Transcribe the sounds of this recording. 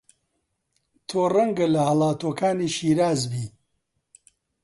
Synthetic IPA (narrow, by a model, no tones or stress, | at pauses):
t̪ʰoːrɐŋɡɐlɐhɐlˠaːt̪oːkʰaːniːʃiːɾaːzbiː